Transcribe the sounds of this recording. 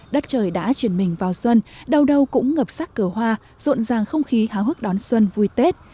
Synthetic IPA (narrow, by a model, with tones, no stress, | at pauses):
ɗə˦˥t̚t͡ɕəː˨˩jɗa̰ː˧˥t͡ɕwi˧˩ənmï˨˩ŋ̟vaː˨˩wswə˧nɗə˨˩wɗə˨˩wkʊ̰˧˥ŋ͡mŋə˨˩p̚saː˦˥k̚kɨ˨˩hwaː˧ | z̥o̰˧˨nzaː˨˩ŋxə˧wŋ͡mxi˨˦haː˨˦wɦɨ˦˥k̚ɗɔ˨˦nswə˧nvu˧jt̪e˦˥t̚